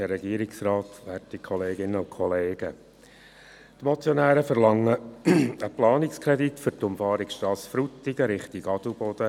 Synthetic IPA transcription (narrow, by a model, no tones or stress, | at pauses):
ɛɾɛɡiːɾɪksrɑːt̪ʋætikʰχɔleːɡɪnːəʊkʰɔleːɡ̥ə | t̪mɔt͡sjɔnæːɾəfəɾlɑŋːəəplɑːnɪkskʰɾɛd̪itfʏɾtʊmfɑːɾiksʃtɑːsfɾutːiɡəɾɪχt̪iɡɑd̥ubɔd̥̪ə